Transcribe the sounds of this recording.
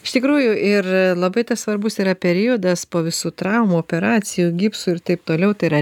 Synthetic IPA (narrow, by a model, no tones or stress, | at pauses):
ɪʃt̪ʲɪkɾuːjʊʔɪrlˠɐbɐɪt̪ɐssʋɐɾbʊsiːɾɐpʲɛɾʲiod̪ɐspoːʋʲɪsuːt̪ɾɐʊmuoːpʲɛɾɑːt͡s̪ʲɪjuːɡʲipsuːɪɾt̪ɐɪp̚t̪oːlʲɛʊt̪ɐɪɾɐ